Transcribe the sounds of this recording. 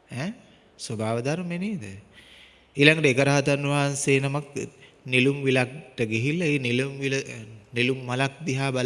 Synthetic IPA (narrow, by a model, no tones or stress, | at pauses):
ɛː | sobaːʋəd̪aɾmeneːd̪ə | eːlaŋɡəʈəekəɾaɦat̪anːʋaɦanseːnamak | nilumʋilak̚ʈəɡeɦilːaeːnilumʋilənilumːalak̚d̪iɦaːbal